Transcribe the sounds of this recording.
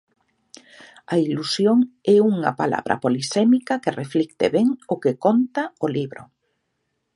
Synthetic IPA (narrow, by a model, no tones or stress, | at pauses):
ɐilusjoŋɛuŋɐ̰pala̰βɾʔɐ̰polisɛmikɐkɪreflikt̪ḛβɛŋʊkekont̪ɐʊliβɾʊ